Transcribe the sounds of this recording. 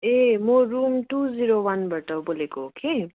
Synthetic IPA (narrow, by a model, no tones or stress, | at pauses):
emoɾumʈud͡ziɾowanbaʈʌbolekoɦokʰe